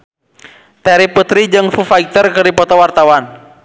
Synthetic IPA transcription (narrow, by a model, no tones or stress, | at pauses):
t̪ɛɾiput̪ɾid͡ʒɨŋfufaik̚t̪ərkɨrdipɔt̪ɔwart̪awan